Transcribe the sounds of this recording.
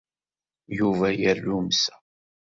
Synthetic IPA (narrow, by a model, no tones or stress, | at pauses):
juvæjəɾːumsæ̥